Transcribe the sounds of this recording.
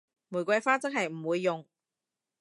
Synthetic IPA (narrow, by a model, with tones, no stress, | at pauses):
muː˨˩jkʷɐ˧jfaː˥t͡sɐ˥k̚ɦɐ˨jm̩˨˩wuː˨˧jːʊ˨ŋ